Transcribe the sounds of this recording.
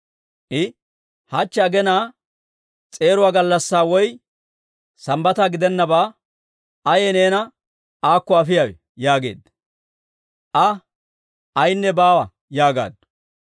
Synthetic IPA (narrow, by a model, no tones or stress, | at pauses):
ʔɪ | hɐt͡ʃːɛɐɡɛnaː | t͡sʼe̞ːɾʊwaːɡɐlːɐsːaːwɔj | sɐmbɐt̪aɡɪd̪ɛnːɐbaː | ɐjɛneːnɐ | ʔaːkːɔɐfɪjawɛ̰ | jaːɡe̞̰ːd̪ | ʔɐ | ɐjnːɛbaːwɐ | jaːɡa̰ːd̪